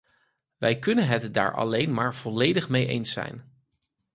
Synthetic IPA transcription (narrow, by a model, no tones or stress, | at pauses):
ʋɛjkɵnənɦɛtda̰ːɹʔɑ̰lejnmaːɹv̥ɔlejdəχmejʔḛjnsɛ̰jn